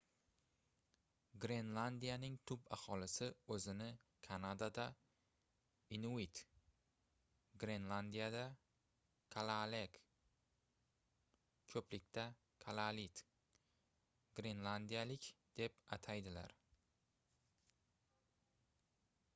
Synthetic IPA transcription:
ɡɾenlˠand̪ijanɪŋt̪ʰʊbahɒlɪsɪɵzɪnɪkʰanad̪ad̪a | ɪnuit̪ | ɡɾe̞nlˠand̪ijad̪a | kʰalˠalek | kʰɵplɪkʲt̪ʰa | kʰalˠalit̪ | ɡɾe̞nlˠand̪ijalɪkʲd̪̥e̞pat̪ʰajd̪ɪla̰ɾ

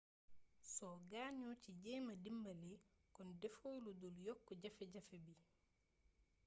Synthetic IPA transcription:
sɔɡaːɲɔciɟɛmadimbalɛkɔndɛfowludɔljɔkːɔɟafɛɟafɛbi

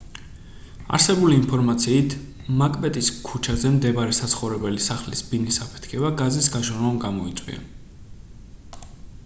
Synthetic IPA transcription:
a̰ɾsɛbuliːnpʰɔɾmat̪sʰiːt̪ʰ | makʼmɛt̪ʼiskʰut͡ʃʰazɛmd̪ɛbaɾɛsat̪sʰχɔvɾɛbɛlisaχlisbinisapʰɛ̥t̪ʰkʰɛbaɡazisɡaʒɔnwamɡamɔit̪sʼwḭa̰

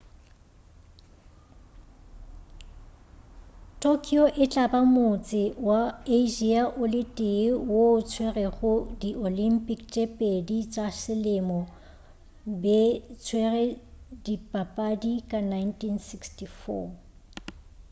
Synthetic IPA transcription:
tʰʼokʰiɔʔɪt͡ɬʼabamʊt͡sʼɪwaeʒiaʔʊlɪtʼɪwot͡sʰwerɛɣʊdiʔolimpʼikt͡ʃʼepʼedit͡ʃʼasɪlɪmɔ | bɛt͡sʰwerɛdipʼapʼadikʼanajntʰʼinsikstʰifɔ̰

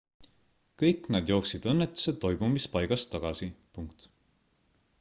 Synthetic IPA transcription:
kɤjkːˑnɑd̪̥jo̞ːksid̪̥ɤnːe̞t̪ːˑu̥se̞ːo̞jmumispɑjɡ̥ɑst̪ːɑɡ̥ɑsipuŋkt̪

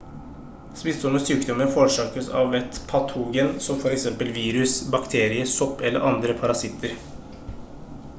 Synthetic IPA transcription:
spɪst̪ɔməsyːkd̪ɔmːənfɔːɾʂɑːkəsɑ̰ʋɛt̪pʰɑt̪ʰuːɡənsɔmfɔɾɛksɛmpəlʋiːɾʉsbɑkt̪ʰeːɾɪəsɔpːɛlːə̰ɾʔɑnd̪ɾəpʰɑɾɑsɪt̪ʰːəɾ

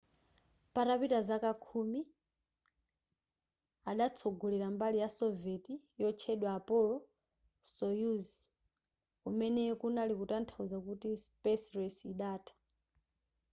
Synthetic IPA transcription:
paɾapitazakakʰumi | aɗat͡sʰoɡuliɾambalijasɔveti | jɔt͡ʃʰɛɗwaːpʼɔlɔ | sɔjuz | kumɛnɛkunalikutantʰauzakutispɛsɾɛsiɗaːtʰḁ

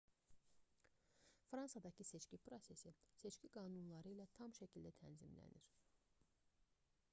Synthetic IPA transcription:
fɾɑnsɑd̪ɑcʰise̞t͡ʃcipɾo̞se̞sise̞t͡ʃciɡɑːnunlˠɑɾɯilæt̪ʰɑmʃæcʰild̪æt̪ʰænzimlæ̰nḭɾ̥

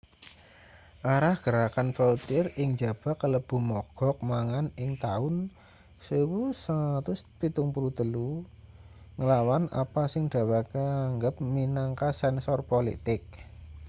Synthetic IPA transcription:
ʔaɾahɡ̥əɾakanfaut̪ɪrɪŋd͡ʒa̤b̥a̤kələb̥ṳmɔɡ̥ɔ̤k̚maŋanɪŋt̪aʊn | sewusəŋat̪ʊspit̪ʊŋpuɾut̪əlu | ŋəlawana̰pasɪŋɖ̥a̤wakəaŋɡəp̚minaŋkasɛnsɔrpolḭt̪ɪk̚

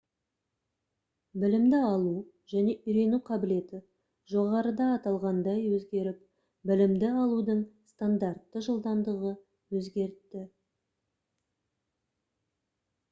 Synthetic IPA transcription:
bɪlɪmd̪ɪɑlˠu | ʒ̥æne̞ʔʏjɾe̞nuqʰɑbɪle̞t̪ɪ | ʒo̞ʁɑɾəd̪ɑːt̪ɑlˠʁɑnd̪ɑjwɵzɡʲe̞ɾɪp̚ | bɪlɪmd̪ɪɑlˠud̪əɴst̪and̪aɾt̪ːəʒəlˠd̪ɑnd̪əʁə | wɵzɡʲe̞ɾt̪ːɪ

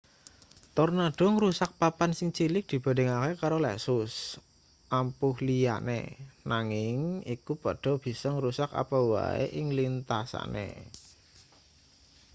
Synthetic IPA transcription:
t̪ɔrnaɖ̥ɔ̤ŋɾusak̚papansɪŋt͡ʃilɪk̚d̪̥i̤b̥a̤de̤ŋakekaɾolɛ̰sʊs | ʔampʊhlija̰nḛnaŋɪŋikupɔɖ̥ɔ̤b̥i̤sɔŋɾusaka̰pɔwa̰ḛʔɪŋlint̪asa̰nʔḛ

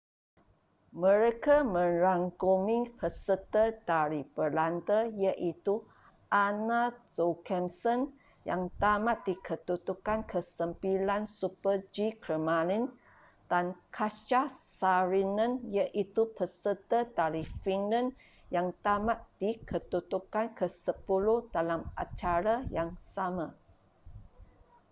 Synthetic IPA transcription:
mə̃ɾekamə̃ɾaŋɡomiŋpʰəsət̪əd̥aɾibəlant̪əjəʔit̪u | ʔanasokɛmsən | jaŋt̪amaʔdikʰət̪ut̪ukankʰəsəmpilansupəd͡ʒikɾəmalin | d̥ankʰat͡ʃasaɾinə̃njəʔit̪upəsətədaɾifiŋlãn | jaŋt̪amaʔ̚d̥ikʰət̪ut̪ukankʰəsəpuluhdalamʔa̰t͡ʃaɾajaŋsamã

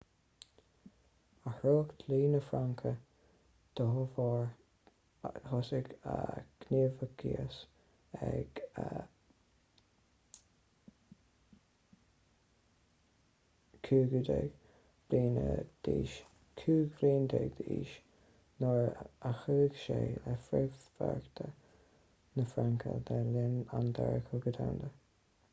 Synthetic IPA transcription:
əhɾoːkd̪liːnəfɾaŋkʰə | d̪̥əɦʊvɑɹ | hɔsɪɡə̰ɡ̥neːvəɡʰḭəs | ɛ̰ɡ̥ə | kʰuːɡud̪ɛɡ̥ | b̥ɾiːnəd̪̥iːʃ | kʰuːɡɾiːnd̪ɛɡd̪əḭːʃ | nɔɹaxəːɡʃeːlɛfɾɛvfa̰ɹkt̪ʰə | nəfɾaŋkʰə̰d̪ɛlɪnand̪ɛɹəkʰəɡəd̪awnd̪ə

